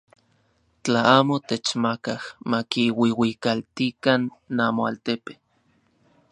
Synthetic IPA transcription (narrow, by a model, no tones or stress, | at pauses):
t͡ɬaaːmot̪et͡ʃmakahmakiwiwikalt̪ikanːamoa̰lt̪epe